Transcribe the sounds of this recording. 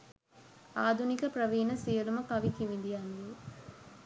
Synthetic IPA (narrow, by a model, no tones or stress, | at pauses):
aːd̪ʱunikɐpɾɐʋiːnɐsijɐlumɐkɐʋikiʋid̪ijɐnd̪i